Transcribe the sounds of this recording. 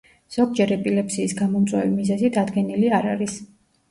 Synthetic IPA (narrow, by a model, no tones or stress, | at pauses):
z̥ɔɡ̚d͡ʒɛɾɛpʼilɛpsiːsɡamɔmt̪sʼwɛvimizɛzid̪ad̪ɡɛniliaɾaɾis